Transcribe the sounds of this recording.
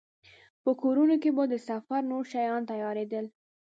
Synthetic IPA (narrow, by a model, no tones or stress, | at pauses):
pəkoɾunokebəd̪əsafaɾnoɾʃajɑnt̪ajɑɾed̪əl